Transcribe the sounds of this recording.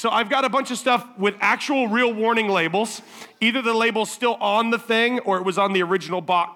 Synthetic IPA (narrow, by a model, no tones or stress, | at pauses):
soʊʔaɪvɡɑɾɨbʌ̃nt͡ʃʌv̥stʌfwɪðæk̚t͡ʃul̩ˠɹilˠwɔɹnɪ̃ŋleɪbl̩ˠz̥ | iðə˞ðəleɪbl̩ˠz̥stɪlˠə̃n̩ðəθɪ̃ŋə˞ɨt̚wʌzn̩ðiə˞ɪd͡ʒɨn̩l̩ˠbɑk